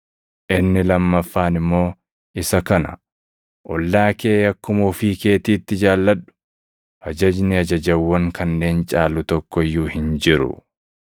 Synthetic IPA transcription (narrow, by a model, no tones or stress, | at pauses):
ʔɪnːɪlɐmːɐfːaːnɪmːo̞ː | ʔɪsɐkɐnɐ̰ | ʔɔlːaːkeːɐkːʊmufiːke̞ːt̪iːt̪ːɪd͡ʒaːlːɐɗʊ̥ | ʔɐd͡ʒɐd͡ʒnɪɐd͡ʒɐd͡ʒɐwːɐŋkʰɐnːe̞ːnt͡ʃʼaːlʊt̪ɔkːɔjːuːhɪnd͡ʒɪɾʊ̰